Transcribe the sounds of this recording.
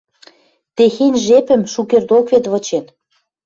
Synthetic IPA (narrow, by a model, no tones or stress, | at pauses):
t̪exenʲʒepɘ̆mʃukerd̪okvet̪vɤ̆t͡ɕen